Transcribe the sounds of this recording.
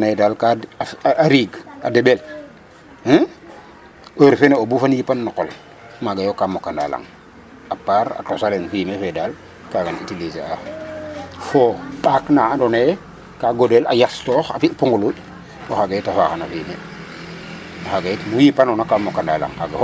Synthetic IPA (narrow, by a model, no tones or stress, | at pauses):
nedalkaaɾiːɡa̰debel | əɾfeneobufanjipanːɔkol | maɡajokamokːanda̰la̰ŋ | apaːɾa̰tosalenfiːmefedal | kaɡanḭtiliza | fopaknaadone | kaɡodela̰jastɔxa̰fiʔpuŋɡulu | woxaɡetafaxanafiːme | axaɡetmujipanonakamokːanda̰la̰ŋha̰ɡa